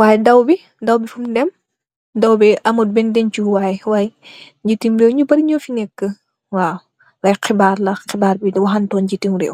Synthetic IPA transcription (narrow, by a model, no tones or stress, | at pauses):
waːjdɐwbi | dɐwbifumdɛm | dɐwbɛʔɐmɐt̚bɛndɛnt͡ʃuwaːjwaːjɲɟitːiŋɾɛːwɲubɐɾiɲɔfinɛkːə | waː | lɐjqibaːɾlɐqibaːɾbidɐwɐxɐntɔːnd͡ʒitiŋɾɛ̰ːw